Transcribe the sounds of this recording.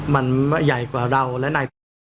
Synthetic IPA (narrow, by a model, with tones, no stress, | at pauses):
ma˧nma˦˧˥ja˨˩jkwaː˨˩ɾa˧wlɛ˦˥naː˧˩